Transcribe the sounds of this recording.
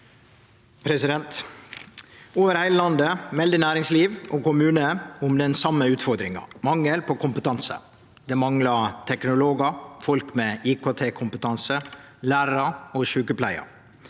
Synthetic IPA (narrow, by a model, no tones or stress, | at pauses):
pʰɾɛsɪd̪ɛnt̪ | oːʋəɾhæɪləlɑnd̪əmɛld̪ənæːɾɪŋsliːʋʔokʊmʉːnəʊmd̪ɛnsɑmːəʉːt̪fɔɾd̪ɾɪŋɑ̰mɑŋːəlpʰɔkʰʊmpət̪ʰɑnsə̰ | d̪ɛmɑŋlɑt̪ʰɛknʊloːɡɑfɔlkmeiːkʰoːt̪ʰeːkʰʊmpət̪ʰɑnsə | læːɾɾɑoʃʉːkəpʰlæɪɑ̰